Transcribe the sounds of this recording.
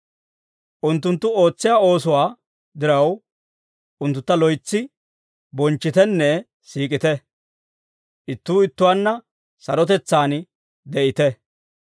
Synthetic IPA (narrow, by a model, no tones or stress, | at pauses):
ʔʊnt̪ːʊnt̪ːʊo̞ːt͡sːɪjaːo̞ːsʊwaː | d̪ɪɾɐw | ʔʊnt̪ːʊt̪ːɐlɔjt͡sːɪ | bɔnt͡ʃːɪt̪ɛnːɛ | siːkʼɪt̪ɛ | ʔɪt̪ːuːɪt̪ːʊwaːnːɐ | sɐɾɔt̪ɛt͡sːaːn | d̪ɛʔɪt̪ɛ